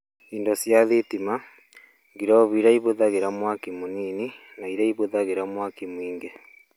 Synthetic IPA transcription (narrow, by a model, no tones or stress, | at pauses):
iːndosjaðitima | ŋɡiɾoβiɾaiβoðaɣeɾamwakimuniːninaiɾaiβoðaɣeɾamwakimwiːŋɡe